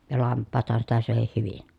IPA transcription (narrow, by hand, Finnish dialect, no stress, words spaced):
jɑ lɑmpːɑːthɑn sitæ søˑehih hyʋin